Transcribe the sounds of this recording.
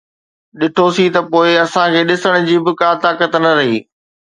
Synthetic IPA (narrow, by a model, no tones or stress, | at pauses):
ɗɪʈʰosit̪ɐpoːɪɐsãkʰeːɗɪsəɽ̃ʊ̆d͡ʑiːbɪkaːt̪aːkət̪nɐɾɐɦiː